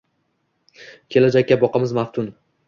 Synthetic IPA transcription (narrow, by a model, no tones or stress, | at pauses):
kʲʰe̞lad͡ʒakʲːabɒqɑmɪzmaft̪ʰʊn